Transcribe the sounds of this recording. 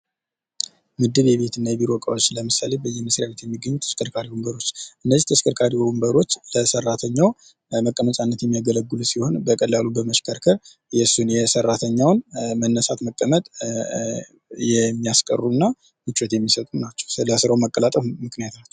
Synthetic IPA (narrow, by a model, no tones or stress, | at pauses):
mɨd̪ːɨβjɛβe̞t̪ɨnːajɛbiɾokʼawot͡ʃːləmɨsalebəjːɛmɨsɾijaβe̞t̪jɛmːiɡəɲːut̪ʰə̥skʼəɾkʰʼaɾiwumbəɾo̞t͡ʃːʔɨnːəziht̪ʰəskʰʼəɾkʰʼaɾiwbumbəɾo̞t͡ʃːləsərːat̪ʰəɲːaw | məkʼːəmət͡ʃʼanːət̪jɛmːijaɡələɡːɨlusiho̞nbəkʼəlːalubəməʃkʰəɾkʰəɾ | jɛsːunjɛsərːat̪ʰəɲːawnmənːəsat̪məkʼːəmət̪ʼ | jɛmːiaskʼə̰rːunːa | hɨt͡ʃʼɛt̪jɛmːisət̪ʼunat͡ʃːɛ̥wsɨləsɨɾəwməkʼːəlat̪ʼəfmɨknijat̪ʰat͡ʃːɛw